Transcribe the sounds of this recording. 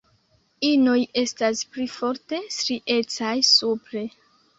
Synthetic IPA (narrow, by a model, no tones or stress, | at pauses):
inoje̞stasplifo̞ɾte̞stɾiʔe̞t͡sajsupɾe̞